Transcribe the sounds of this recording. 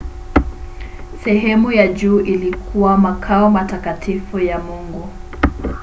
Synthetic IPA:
sɛɦɛmujaʄuːʔilikʰuwamakʰaɔmatakatifujamuŋɡu

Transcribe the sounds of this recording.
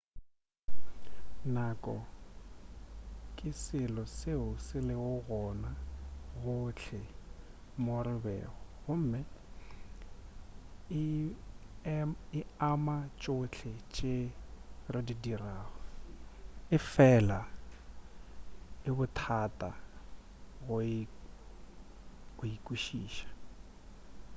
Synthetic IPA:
nakʼɔ̰ | kʼɪsɪlɔseʊsɪlɪʊɣɔnaɣʊt͡ɬʰɪ | morɪbɛ̰ːɣɔɣʊm̩ːmɪ | ɪamat͡ʃʼʊt͡ɬʰɪt͡ʃʼerɪdidiraːɣɔ | ɪfɛla | ɪbʊtʰatʼa | ɣʊ | ɣʊikʼuʃiːʃḁ

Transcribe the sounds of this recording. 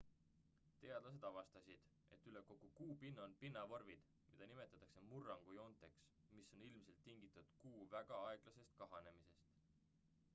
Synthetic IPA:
t̪e̞ɑd̪lɑs̬e̞d̪ɑvɑst̪ɑsʲid̪̥ | ʔe̞t̪ːˑyle̞ko̞ɡ̥ukuːpinːonpinːɑvo̞rvid̪̥ | mid̪̥ɑnime̞t̪ːˑɑt̪ːˑɑkse̞murːɑŋɡ̥ujo̞nt̪ˑe̞ks | misːo̞nilmse̞lt̪ːiŋɡit̪ːˑud̪̥kuːvæɡ̥ɑɑe̞ɡ̥lɑse̞st̪̚kɑɦɑne̞mise̞st̪

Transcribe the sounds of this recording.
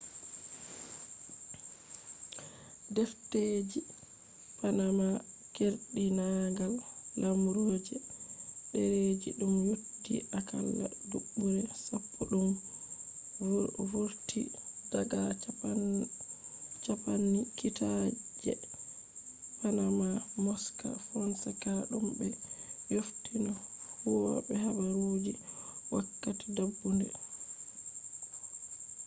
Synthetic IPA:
dɛfted͡ʒi | panama | keɾɗinaɡalːamɾoːd͡ʒɛɗɛɾed͡ʒḭɗumjudːḭʔaka̰lːa̰duɓːuɾɛsapʰːɔɗum | woɾtʰidaɡa | t͡ʃapanːikitad͡ʒɛ̰ | panamamɔska̰fɔnsɛkaɗumbɛjoftʰinɔfuwɔ̰bɛhabaɾod͡ʒiwakːati̥dabːundɛ

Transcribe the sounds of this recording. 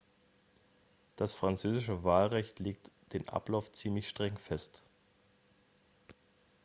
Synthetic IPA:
d̥asfʁ̥ant͡søːzɪʃəvaːlʁɛçtleːk̚td̥eːnʔa̰plaʊft͡siːmlɪçʃtʁ̥ɛŋfɛst

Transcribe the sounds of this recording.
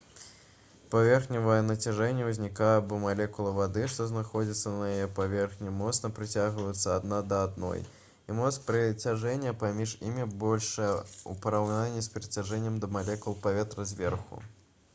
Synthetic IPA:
pavʲɛrxnʲivəjɐnɐt͡sʲaʐɛnʲːɛwzʲnʲikajbɔmalʲɛkulˠɐvad̪ɨʂt̪ɔznaxɔd͡zʲit̪sːɐnɐjɛjɛpavʲɛrxnʲimɔt̪snɐpɾɨt͡sʲaɣvɐjɛt̪sːɐad̪nad̪ɐad̪nɔ̰j | imɔt̪spʲɾɨt͡sʲaʐɛnʲːɐpamʲiʂḭmʲibɔlʲʂɐupɐɾawnanʲːisʲpʲɾɨt͡sʲaʐɛnʲːɛmd̪ɐmalʲɛkulˠpavʲɛt̪ɾɐzʲvʲɛrxṵ

